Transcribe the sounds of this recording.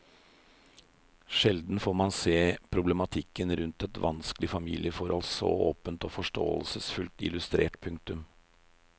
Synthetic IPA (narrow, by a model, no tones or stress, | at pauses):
ʃɛld̪n̩foːɾmɑnseːpʰɾʊblɛmɑt̪ʰɪkːənɾʉnt̪ɛt̪ʋʔɑnsklɪfɑmiːlʔɪəfɔɾʔɔlsɔ̰oːpənt̪ɔːfɔʂʈo̰ːə̰lsəsfʉlt̪ɪ̰lʉst̪ɾḛːʈpʰʉŋk̚t̪ʉm